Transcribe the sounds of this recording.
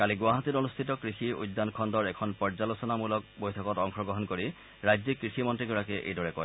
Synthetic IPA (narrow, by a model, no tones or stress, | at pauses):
kaliɡʊaɦatiɾonust̪ʰitɔkɹisiṵjd̪ːankʰɔndɔɹɛkʰɔnpɔɹzalosɔnamulɔk̚bojtʰɔkɔtɔŋxʰɔɡɹɔɦɔnkoɹi | ɹajzikɹisimɔntɹiɡɔɹakɛʔḛjdɔɹɛkɔj